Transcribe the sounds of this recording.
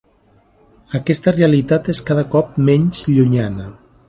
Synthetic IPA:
əkɛst̪əreəlit̪at̪eskaðəkɔp̚mɛɲzʎuɲanə

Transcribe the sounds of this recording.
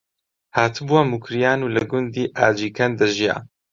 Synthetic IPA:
haːt̪ʰɨbuwamukʰɾijaːnuːlɐɡʊnd̪iːʔaːd͡ʒiːkʰɐnd̪ɐʒija̰ː

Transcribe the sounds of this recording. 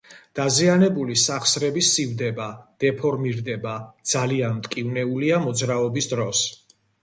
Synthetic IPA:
d̪̥azianɛbulisaχsɾɛbisːivd̪ɛbad̪̥ɛpʰɔɾmiɾd̪ɛbad̪z̥alianmt̪ʼkʼivnɛuliamɔd̪zɾaɔbisd̪ɾɔs

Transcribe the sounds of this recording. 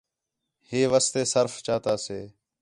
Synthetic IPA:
heːʋaːst̪eːsəɾft͡ʃaːt̪aːseː

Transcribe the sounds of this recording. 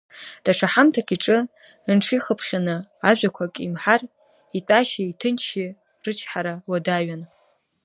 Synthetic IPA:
d̥aʈ͡ʂʰaħamtʰakʼiʈ͡ʂʼɨ | ɨnʈ͡ʂʰiχəpʰχʲanɨaʒᶣʷakʷʰakʼimħar | itʷʼaʃaitʰɨnt͡ʃʰi | rɨt͡ʃʰħaɾawadaɥan

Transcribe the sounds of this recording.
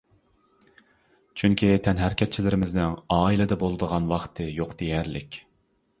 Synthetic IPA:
t͡ʃʰyŋkʲʰit̪ʰɛnɦæɾkʲʰɛt̪̚t͡ʃʰilɪɾɪmɪznɪŋɑːilɛd̪ɛbolˠɨd̪əʁɑnwɑχt̪ʰɨjoqd̪̥ejɛɾlɪkʲ

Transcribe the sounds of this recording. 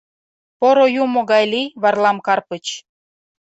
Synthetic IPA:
poɾojumoɣɑjliβɑrlɑmkɑrpət͡ɕ

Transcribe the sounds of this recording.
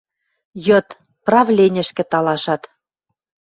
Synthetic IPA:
jɤt̪ | prɑvlʲenʲə̆ʃkɘ̆t̪ɑlɑʃɑt̪

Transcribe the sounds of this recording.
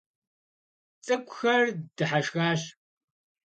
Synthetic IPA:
t͡sʼɨkʷʼxɐrd̥ɨħaʃɣaːɕ

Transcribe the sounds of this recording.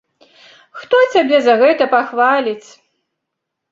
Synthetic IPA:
xt̪ɔt͡sʲabʲɛzɐɣɛt̪ɐpaxvalʲit͡sʲ

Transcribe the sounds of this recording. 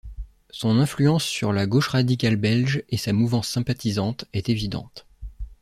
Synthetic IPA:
sɔ̃nɛ̃flyɑ̃sːyʁlaɡoʃʁad̪ikʲalbɛlʒesamuvɑ̃sːɛ̃pat̪izɑ̃t̪ɛt̪evid̪ɑ̰̃t̪

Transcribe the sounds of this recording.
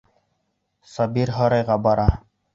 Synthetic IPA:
sɑbiɾɦoɾɑjʁɑbɑɾɑ

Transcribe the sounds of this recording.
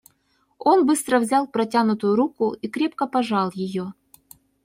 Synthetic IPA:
onbɨst̪ɾəvzʲalˠpɾɐtʲanʊt̪ʊjʊɾukʊikɾʲe̞p̚kəpɐʐɑlˠjɪjo

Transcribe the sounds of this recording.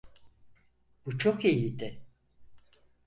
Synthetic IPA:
b̥ut͡ʃʰokijid̪ɪ

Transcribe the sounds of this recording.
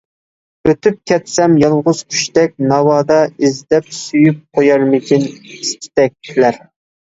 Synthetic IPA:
øt̪ʰyp̚kʲʰɛt̪sɛmjɑlˠʁʊz̥kʲʰy̥ʃt̪ɛk̚ʲnɑwɑːd̪ɑizd̪ɛp̚syjyp̚qʰojɑɾmɪkʲʰɪnist̪ʰɪ̥t̪ɛk̚ʲʰlæɾ

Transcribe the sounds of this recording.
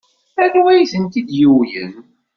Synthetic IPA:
ænuæjθənt̪id̪juwjə̰n

